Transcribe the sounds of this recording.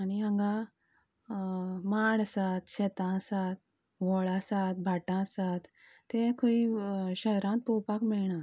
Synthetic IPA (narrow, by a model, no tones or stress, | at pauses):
aniɦə̃ŋɡa | maɽasat̪ɕɛt̪ãsat̪ | ɡɔɭasat̪̚bʱaʈãsat̪ː | ẽkʰoiɕəɦɾãt̪̚popakmiɭɳã